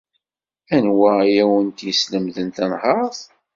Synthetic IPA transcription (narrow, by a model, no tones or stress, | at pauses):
ænwæjæwənt̪jəsləmðənt̪ænhɑɾˤðˤ